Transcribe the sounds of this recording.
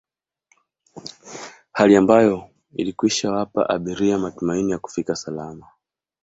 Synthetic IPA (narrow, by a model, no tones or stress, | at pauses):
haliambajɔ | ḭlikwiʃawapa̰ʔa̰ɓiɾiamatumainijaku̥fikasalama